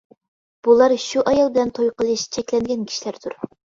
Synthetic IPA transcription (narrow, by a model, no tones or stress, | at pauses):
b̥ulˠɑɾʃuʔɑjɑlˠbɪlɛnt̪ʰojqəlˠɨʃt͡ʃʰɛkʲlɛnɡʲɛnkʲʰi̥ʃlæɾd̪ʰuɾ